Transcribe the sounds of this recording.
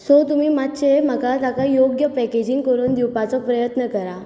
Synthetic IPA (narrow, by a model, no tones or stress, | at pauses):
sot̪umiːmat̪t͡ɕem̤əkat̪akajoɡjəpɛked͡ʑiŋɡkəɾuːnd̪iwpat͡sɔpɾəjət̪nəkəɾa